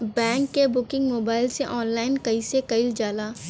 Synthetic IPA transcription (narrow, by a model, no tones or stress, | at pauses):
bɛ̃ːŋkːebʊkɪ̃ŋɡmoːbaːɪlseʔɔːnlaːɪnkɐisekɐɪld͡ʒaːlaː